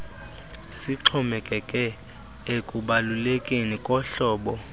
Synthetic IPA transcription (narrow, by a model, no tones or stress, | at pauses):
siǁʰɔmɛkʼɛkʼɛ | ekʼuɓalulekʼenikʼɔɬɔːɓɔ